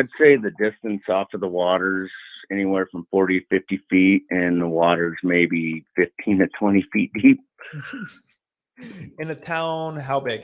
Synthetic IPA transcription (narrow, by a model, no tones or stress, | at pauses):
dseɪðɨdɪstɨ̃nsɔfʌðəwɔɾə˞z̥ɛñiwɛɹfɹʌ̃ɱfɔɹɾifɪftifiɾɪ̃nðəwɔɾə˞zmeɪbifɪftʰĩntɨtʰw̥ɛ̃ɾ̃ifit̚d̥ip̚ | ɨ̃nɨtʰãʊ̃nɦaʊbæɡ